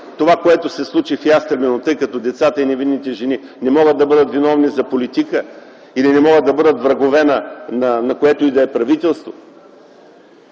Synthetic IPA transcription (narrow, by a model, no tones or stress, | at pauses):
t̪ovakoɛt̪osɛslˠut͡ʃifjast̪ɾɐmɛnot̪ɤjkɐt̪ɔd̪ɛt̪sat̪əinɛvinːit̪ɛʒɛni | nɛmɔɡəd̪ːɐbɤd̪ət̪vinɔvnizɐpolit̪ikə | ilinɛmɔɡəd̪ɐbɤd̪ət̪vɾɐɡovɛnənɐnɐkoɛt̪oid̪ɐɛpɾɐvit̪ɛlˠst̪vo̥